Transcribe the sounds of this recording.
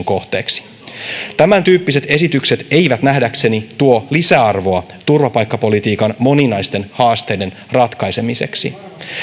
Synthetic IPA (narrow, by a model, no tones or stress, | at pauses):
ŋko̞ht̪ḛːksi̥ | t̪æmænt̪yːpːise̞t̪e̞sit̪ykse̞t̪e̞jʋæt̪næhdækse̞nit̪uolisæɑrʋo̞ɑ | t̪urʋɑpɑjkːɑpo̞lit̪iːkɑnmo̞ninɑjst̪e̞nhɑːst̪e̞jde̞n | rɑt̪kɑjse̞mise̞̰ksḭ